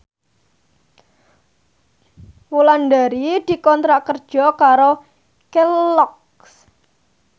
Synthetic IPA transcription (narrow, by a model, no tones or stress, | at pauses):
wulanɖaɾid̪̥i̤kɔnt̪ɾaʔkərd̥ʒ̥ɔ̤kaɾo | kellɔk | s